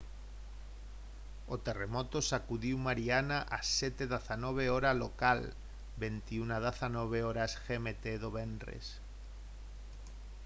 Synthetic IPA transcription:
ot̪e̞remot̪osakuðiwmaɾianaʔaset̪eðaθanoβ̞eoɾalokal | be̞nt̪iunaðaθanoβ̞eoɾasxemet̪eðoβenrḛs

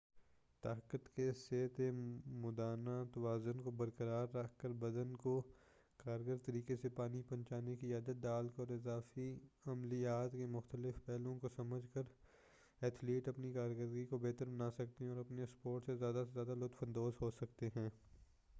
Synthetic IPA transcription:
t̪aːkət̪keseːt̪emʊd̪aːnat̪ɐwaːzʊnkobɐɾkəɾaːɾːɐkʰkəɾbɐd̪ənko | kaːɾɡəɾt̪ɐɾiːkesepaːnipɐ̃nt͡ʃaːnekiaːd̪ət̪̚d̪aːlkɔːɾɪzaːfiɐmlijaːt̪kemʊxt̪əlɪfpɛːlõkosɐməd͡ʒʱkəɾ | ɛt̪ʰliːʈɐpnikaːɾɡəɾɡikobeːt̪əɾbɐnaːsɐk̚t̪eɦɛ̃ɔːɾɐpnespoːʈsezjaːd̪asezjaːd̪alʊt̪fʰɐ̃nd̪oːsɦoːsɐkt̪eɦɛ̃ː

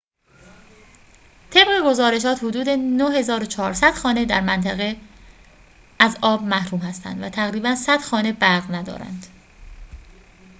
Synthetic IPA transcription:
t̪ʰe̞bɣe̞ɡo̞zɒːɾe̞ʃ̬ɒːt̪hod̪uːd̪e̞nohe̞zɒːɾot͡ʃʰɒːɾsæd̪̥xɒːne̞d̪æɾmænt̪ʰæɣe | æzɒːbmæhɾuːmhæst̪æ̰nd̪væt̪ʰæɣɾiːbænsæd̪̥xɒːne̞bæɾɣnæd̪ɒ̰ːɾæ̰nd̪̥

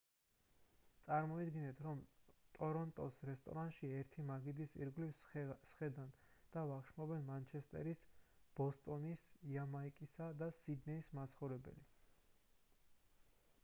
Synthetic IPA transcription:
t̪sʼaɾmɔid̪ɡinɛt̪ʰɾɔmt̪ʼɔɾɔnt̪ʼɔsɾɛst̪ʼɔ̰ɾant̪ʃiɛɾt̪ʰimaɡid̪isḭɾɡlifssχɛd̪an | d̪̥avaχʃmɔbɛnmant͡ʃʰɛst̪ʼɛ̰ɾisb̥ɔst̪ʼɔnisiamaikʼisad̪asid̪nɛismat̪sʰχɔvɾɛbɛ̰li

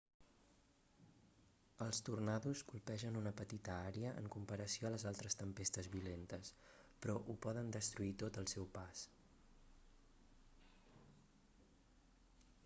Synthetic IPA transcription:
əlˠst̪urnaðuskulˠpɛʒənunəpət̪it̪əaɾeəʔə̰ŋkumpəɾəsioələzalˠt̪ɾəst̪əmpest̪əzβilent̪əspɾɔʔupɔðənd̪əst̪ɾuit̪ot̪əlˠsɛwpas

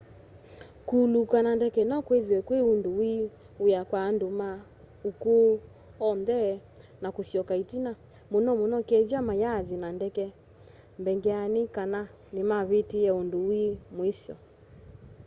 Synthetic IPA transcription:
kulukanandɛkɛnɔkweðiwɛkweundowi | ujakwaːndoma | uku | ɔnðɛ | nakoθjɔkaitina | monɔmonɔkɛðjamajaðinandɛkɛ | mbɛŋɡɛanikana | nemaβetiɛondowimwisɔ̰

